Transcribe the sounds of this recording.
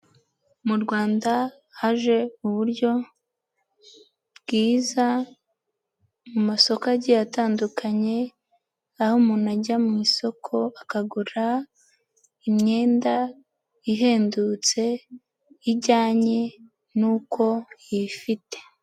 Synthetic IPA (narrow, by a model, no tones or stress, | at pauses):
muɾɡwaːnda | haʒe̞uβuɾɟo̞ | bɡiːza | mumaso̞kaɟijataːndukʰaɲe̞ | ahomuːnaɟamŋiːso̞kʰo̞akaɡuɾa | imɲe̞ːnda | iɦe̞ːndut͡se̞ | iɟaːɲe̞ | nuːko̞jifite̥